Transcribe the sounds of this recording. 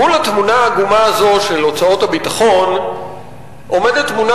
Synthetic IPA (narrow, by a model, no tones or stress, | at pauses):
ulat̪munaaɡumaːzo̞ʃe̞lo̞t͡sao̞thabitaχo̞n | ʔo̞medet̪ːmuna